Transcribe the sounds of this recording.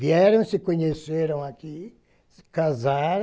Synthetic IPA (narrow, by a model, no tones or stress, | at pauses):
viɛɾɐ̃w̃sɪkõɲeseɾɐ̃w̃aki | kazaɾ